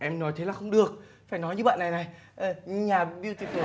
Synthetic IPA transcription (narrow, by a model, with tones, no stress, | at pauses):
ʔɛ˧mnɔ˨˦jt̪ʰe˨˦laː˨˩xə˧wŋ͡mɗɨ˨˩ək̚ | faː˧˩jnɔ˨˦jɲɨ˧ɓa̰ː˧˨nːa˨˩jna˨˩j | ʔə˧˩ɲaː˨˩ɓi˧t̪i˧˩pː